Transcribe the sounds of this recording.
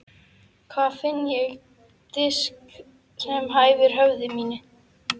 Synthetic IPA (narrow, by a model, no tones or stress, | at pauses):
kʰvaːfɪnːjɛɣ | t̪ɪsk | sɛmɦaːjvɪɾ̥ɦœvðɪmiːnɪ